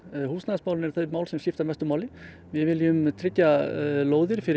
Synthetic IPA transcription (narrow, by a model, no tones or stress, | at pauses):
huːsnaðsmaːwlnɛɾ̥θœmaːwlsɛmcɪft̪aɾmɛst̪ʏmaːwlɪ | vɪðvɪljʏmt̪ʰɾɪcːaloːwðɪɾ̥fɪɾɪ